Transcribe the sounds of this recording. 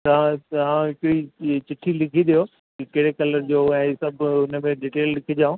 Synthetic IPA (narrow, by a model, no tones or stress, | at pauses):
t̪ɐʋãt̪ɐɦãɦɪkɾit͡ɕɪʈʰilɪkʰid̪ijoː | kikɐɪɽekɐləɾd͡ʑoːɛ̃ːsɐbʱʊnə̆mẽɖiːʈeːllɪkʰid͡ʑaːũː